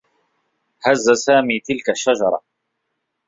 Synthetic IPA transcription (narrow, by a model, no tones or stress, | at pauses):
hazːasaːmiːt̪ɪlkaʃːad͡ʒɑɾˤɑ̰